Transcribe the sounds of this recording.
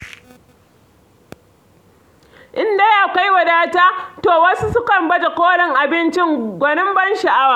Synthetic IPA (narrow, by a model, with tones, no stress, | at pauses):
ʔɪ˦ndɐ˦jaː˨ka˦jwɐ˨daː˦taː˦toː˨wɐ˦su˦sʊ˦kɐ˨mbɐ˦da˨kʷoː˦lɛ˦ŋʔa˨bɪ˦nt͡ʃɪ˦ŋɡʷɐ˨nɪ˦mbɐ˦nʃa˨ʔa˦waː˨